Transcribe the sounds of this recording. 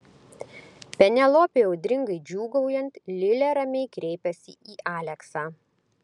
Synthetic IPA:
pʲɛnʲɛlˠoːpʲeːoʊd̪ʲɾʲɪŋɡɐɪd͡ʒʲuːɡɐʊjɛnt̪lʲɪlʲɛːɾɐmʲɛɪkɾʲɛɪpʲɛsʲɪ̰ʔiːʔaːlʲɛksaː

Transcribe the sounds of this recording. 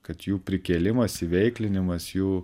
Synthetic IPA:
kɐt̪juːpʲɾʲɪkʲeːlʲɪmɐsɪʋʲɛɪklʲɪnʲɪmɐsjuː

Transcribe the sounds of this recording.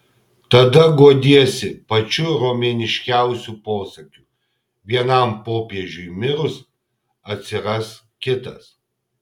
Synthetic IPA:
t̪ɐd̪ɐɡoɔd̪ʲiɛsʲɪpɐt͡ʃʲʊɾoːmʲeːnʲɪʃʲkʲæˑʊsʲuːpoːsɐkʲuː | ʋʲiɛnɐˑmpoːpʲiɛʒʲʊimʲɪɾʊs | ɐt̪ʲsʲɪɾɐs | kʲɪt̪ɐs

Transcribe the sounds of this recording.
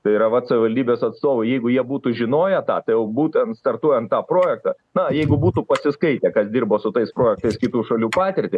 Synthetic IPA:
t̪ɐɪiɾɐʋɐt̪sɐʋʲɪʋɐlʲdʲiːbʲeːsɐt̪st̪oːʋɐɪjɛɪɡʊjiɛbuːt̪ʊʒʲɪnoːjɛt̪ɑ̰ːt̪ɐɪjɛʊbuːt̪ʲɛnt̪st̪ɐrt̪uɔjɛnt̪t̪ɑːpɾoːjɛk̚t̪ɑ | nɐjɛɪɡʊbuːt̪ʊpɐsʲɪskɐɪt̪ʲeːkɐsd̪ʲiːrboːsʊt̪ɐɪspɾoːjɛk̚t̪ɐɪskʲɪt̪uːʃɐlʲuːpɑːt̪ʲɪɾʲt̪ʲɪ

